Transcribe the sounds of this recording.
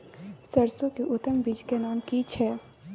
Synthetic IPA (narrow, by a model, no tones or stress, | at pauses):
sɐɾsõkeʔʊt̪ːəmbiːd͡ʒkenaːmkiːt͡ʃʰɛː